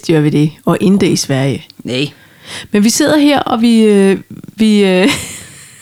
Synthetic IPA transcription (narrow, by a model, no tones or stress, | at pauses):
d̥iæɐʋe̝d̥e̝ɒ̽ʔend̥əisʋæɐ̰jən | menʋise̝ð̞̰ˠɐɦeɐ̰ʔɒ̽ʋi | ʋiø